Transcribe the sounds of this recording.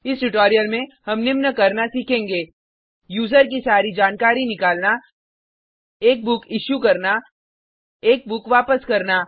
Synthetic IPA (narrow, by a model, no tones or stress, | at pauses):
ɪsʈʊʈoːɾijəlmẽhɐmnɪmnəkɐɾnasiːkʰẽːŋɡeː | juːzəɾk̬isaːɾid͡ʒaːnkaːɾinɪkaːlna | eːk̚bʊkɪʃjukɐɾna | eːk̚bʊkʋaːpəskɐɾnaː